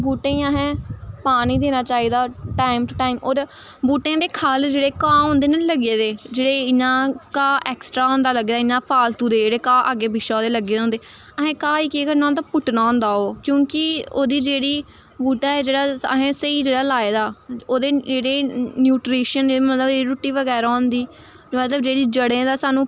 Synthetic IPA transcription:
buːʈẽəɦẽːpaːniːd̪eːnaːt͡ʃaːiːd̪aːʈaːɪmʈʈaːɪmoːɾ | buːʈẽːd̪eːkʰaːld͡ʒeːɽeːkãːõːnd̪eːnaləɡeːd̪eːd͡ʒeːɽeːɪnãːkaːʔɛːksʈɾaːõːnd̪aːləɡeːd̪aːɪnãːpʰaːlt̪ũːd̪eːd͡ʒeːɽeːkãːʔaːɡeːbɪʃaːd̪eːləɡeːd̪õnd̪eː | əɦẽːkãːiːkiːkəɾnãːt̪apʊʈnaːõːnd̪aːoːkjõːkɪoːd̪iːd͡ʒeːɽiː | buːʈaːɛːd͡ʒeːɽaːəɦẽːsəiːd͡ʒeːɽaːlaːeːd̪aːoːd̪eːd͡ʒeːɽeːnjuːʈɾiːʃəneːmət̪ləbd͡ʒeːiːɾuʈːiːʋəɡɛːɾaːõːnd̪iː | mət̪ləbd͡ʒeːɽiːd͡ʒəɽẽːd̪aːsaːnũː

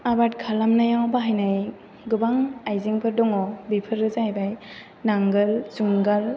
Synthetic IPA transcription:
abat̚kʰalamnajawbaɦajnaj | ɡɯbaŋajziŋpʰɯɾdɔŋɔbipʰɯɾɯzajbaj | naŋɡɯlzuŋɡal

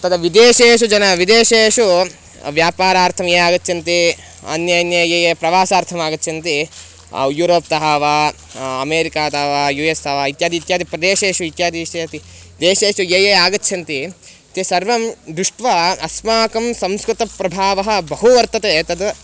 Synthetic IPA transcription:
t̪ɐd̪ɐʋid̪eːʃeːʃud͡ʒɐnɐʋid̪eːʃeːʃu | ʋjaːpaːɾaːɾt̪ʰɐmjeːjaːɡɐt̪ːʃʰɐnt̪i | ɐ̰njɐjɐnjɐjeːjeːpɾɐʋaːsaːɾt̪ʰɐmaːɡɐt̪ːt͡ʃʰɐnt̪ḭ | juːɾoːpt̪ɐɦaːʋaː | ɐmeːɾikaːt̪ɐːʋaːjuest̪ɐːʋaːit̪jaːd̪iːt̪jaːd̪ipɾɐd̪eːʃeːʃuit̪jaːd̪iʃɐt̪i | d̪eːʃeːʂujeːjeaːɡɐtːʃʰɐnt̪i | t̪esɐɾʋɐmd̪ɾuʂʈʋɐɐsmaːkɐmsɐmskɾut̪ɐpɾɐbʱaːʋɐɦɐ̆bɐɦuʋɐɾt̪ːɐt̪et̪ɐd̪ɐ

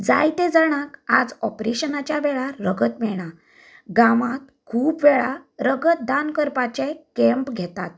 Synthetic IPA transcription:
d͡za̰jt̪ed͡zəɽ̃akad͡zɔpɾeɕənat͡ɕjaʋɛɭaɾəɡət̪mɛɭɳ̃a | ɡamat̪̚kʰuːpʋɛɭaɾəɡət̪̚d̪ankəɾpat͡ɕẽkɛ̃mpɡʱɛt̪at̪̚

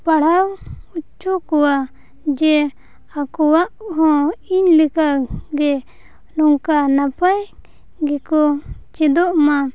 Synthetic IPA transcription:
paɽ̤awut͡ʃɔkɔwa | d͡ʒɛ | akɔwaʔɦɔ̃iɲlɛkaɡɛ | nɔŋkanapaj | ɡɛkɔt͡ʃɛd̪ɔʔma

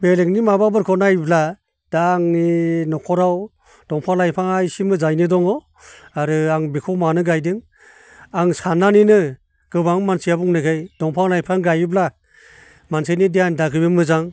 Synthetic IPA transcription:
beleŋnimababɯɾkʰɔnajbla | d̥aŋninɔkʰɔɾaw | d̥ɔŋpʰalajpʰaŋajsimɯzajnidɔŋɔ | aɾɯaŋbikʰɔwmanɯɡajdɯŋ | aŋsananinɯ | ɡ̥ɯbaŋmansijabuŋnɯkʰejdɔŋpʰaŋlajpʰaŋɡajibla | mansejnidiandaɡɯbɯmɯzaŋ

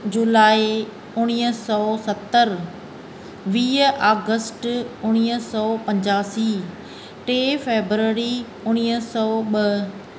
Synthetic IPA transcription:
d͡ʑʊlaːi | ʊɽ̃iːəsɔːsɐt̪ːəɾ | ʋiːəʔaːɡəsʈʊɽ̃iːəsɔːpɐ̃ɲd͡ʑaːsiː | ʈeːfeːbɾəɾi | ʊɽ̃iːɦəsɔːɓə

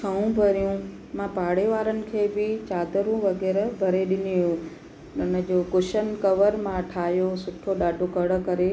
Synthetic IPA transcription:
t͡ʃʰɐũbʱɐɾijũ | mãpaːɽeʋaːɾənɪ̆kʰeːbɪt͡ɕaːd̪əɾũʋɐɡɛːɾbʱɐɾeɗɪniʋjũ | nʊnəd͡ʑoːkʊʃənkɐʋəɾmãʈʰaːɦjosʊʈʰoɗaːɖʱokɐɽə̆kɐɾe

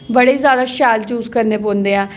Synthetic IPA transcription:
bəɽeːzjaːd̪aːʃaːlt͡ʃuːzkəɾneːpõːnd̪eːãː

